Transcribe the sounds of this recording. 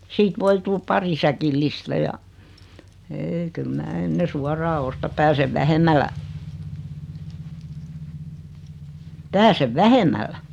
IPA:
siːt ʋoi tul pɑri sækilːistæ jɑ eːi kyl mæː enːe suɑrɑː ostɑ pæːseʋ ʋæhemˑælːæ pæːseʋ ʋæhemˑælːæ

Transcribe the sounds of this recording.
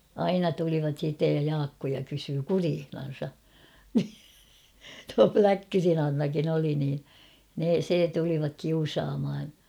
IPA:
ɑinɑ tuliʋɑt siːtːej jɑ jɑːkːojɑ kysyː kuriːhnɑn̞sɑ ni tuɑ plækːyrin ɑnːɑkin oli niː ne se tuliʋɑk kiusɑːmhɑn̞

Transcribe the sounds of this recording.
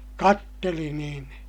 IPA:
kɑtːeli niːn

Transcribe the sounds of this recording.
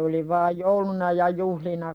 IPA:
oli ʋɑːj joulunɑ jɑ juhlinɑ

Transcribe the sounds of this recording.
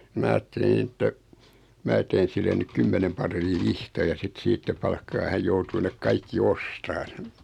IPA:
mæː ɑːtːelin etːæ mæː teːn silːe nyk kymːenem pɑrˑiː ʋihtɑjɑ sit siːtːæ pɑlkːɑː hæj joutuː nek kɑikːi ostɑːn

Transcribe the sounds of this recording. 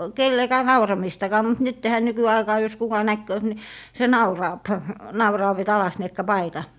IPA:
kelːekæː nɑurɑmistɑkɑː mut nytːehæ nykyɑikɑː jos kukɑ næhkøːt ni se nɑurɑːp nɑurɑːʋ et ɑlɑsniekːɑ pɑitɑ

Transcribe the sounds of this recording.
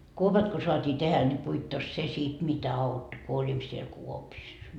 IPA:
kuopɑt ko soɑtʲiː tehæ nʲi puitːos se sit mitæ ɑutːo ku olit siel kuopisːɑ

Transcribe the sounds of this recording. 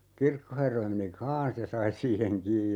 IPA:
kirkoherːɑ meni kɑːn̞s jɑ sɑi siːheŋ kiːj

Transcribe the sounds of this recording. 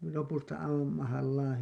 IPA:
lopustɑ ɑiʋɑm mɑhɑlːɑːn

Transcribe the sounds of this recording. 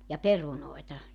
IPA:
jɑ perunoetɑ

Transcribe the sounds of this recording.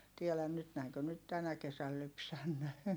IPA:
tielæn nyt næiŋkø nyt tænæ kesæl lypsænːeː

